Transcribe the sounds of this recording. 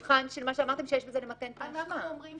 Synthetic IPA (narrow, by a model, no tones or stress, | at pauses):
χanʃelmaʃeamaʁt̪emʃejeʃbezenemat̪entaaamʁim